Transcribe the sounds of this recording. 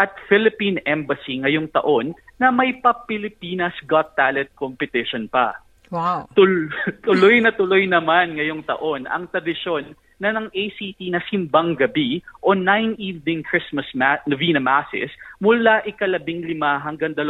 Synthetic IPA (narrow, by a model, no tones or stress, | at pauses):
ʔɐt̪̚fɪlɪpinɛmbɐsiŋɐjoŋt̪ɐ̰ʔo̞nːɐmɐjpɐpɪlɪpinɐsɡat̪ːalɛt̪̚kompɛt̪ɪʃonpɐ̰ | wawt̪ʊt̪ʊlojnɐt̪ʊlojnɐmanŋɐjoŋt̪ɐ̰ʔo̞nɐ̰ŋt̪ɾɐd̪ɪʃo̞nː | ɐnɐŋʔejsit̪inɐsɪmbɐŋɡɐbiʔo̞najnivnɪ̃ŋkɹɪsmɐsmanɐvinɐmasɪ̰smʊlaʔɪkɐlɐbɪŋlɪmaɦɐŋɡɐŋd̪ɐl